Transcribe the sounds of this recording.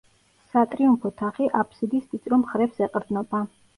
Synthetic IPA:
sat̪ʼɾiumpʰɔt̪ʰaχiʔapʰsid̪ist̪ʼit̪sʼɾɔmχɾɛpsɛqʼɾd̪znɔba

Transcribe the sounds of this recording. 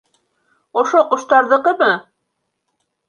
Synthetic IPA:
ŏʃoqŏʃt̪ɑɾðɤ̆qɤmɤ

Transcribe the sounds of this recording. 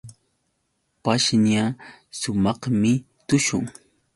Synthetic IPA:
paʃnasʊmɑχmɪ | t̪ʊʃʊŋ

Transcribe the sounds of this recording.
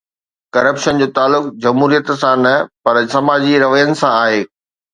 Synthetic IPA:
kɐɾəpʃənd͡ʑoːt̪aːlːʊk̚d͡ʑɐmɦuːɾijət̪sãnɐpɐɾsɐmaːd͡ʑiɾɐʋəjənɪ̆sãaːɦeː

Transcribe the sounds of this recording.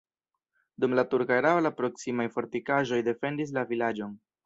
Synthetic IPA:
dumlatuɾkaeɾaolapɾo̞ksimajfo̞ɾtikaʒo̞jde̞fe̞ndis̬lavilad͡ʒo̞n

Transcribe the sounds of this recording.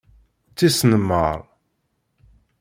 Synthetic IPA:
t͡sːisnəmːə̰ɾˤ

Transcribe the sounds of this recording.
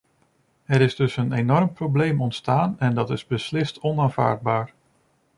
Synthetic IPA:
ɛɾɪzdɵsənenɔrmprowblejmɔntstaːnɛndɑtɪzbəslɪstʰɔnaːnv̥a̰ːɹd̚baːɹ

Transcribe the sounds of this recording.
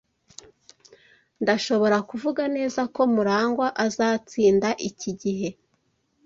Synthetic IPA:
ndaʃo̞βo̞ɾakuvuɡane̞ːzako̞muɾaːŋɡwaʔazaːt͡siːndaʔiciɟiɦe̞

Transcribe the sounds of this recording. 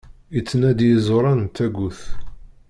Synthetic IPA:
it͡sːənæd̪jəzˤoɾˤɑnt̪æɡuθ

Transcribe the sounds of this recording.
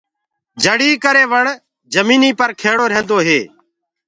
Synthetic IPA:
d͡ʒʱəɽiːkəɾeːʋəɳ | d͡ʒəmiːniːpəɾkʰeːɽoːɾəɦẽːnd̪oːɦeː

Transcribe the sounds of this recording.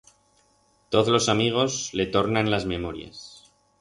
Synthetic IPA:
t̪o̞ðlo̞samiɣ̞o̞zle̞t̪o̞ɾnanlazme̞moɾja̰s

